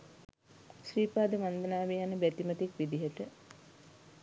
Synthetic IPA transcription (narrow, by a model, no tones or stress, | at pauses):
ʃriːpaːd̪əmand̪ənaːʋejanəbæt̪imət̪ikʋid̪iɦəʈə